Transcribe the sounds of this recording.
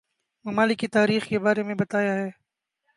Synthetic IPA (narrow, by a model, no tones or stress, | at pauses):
mɐmaːlɪkːit̪aːɾiːxkebaːɾemẽbɐt̪aːjaɦɛː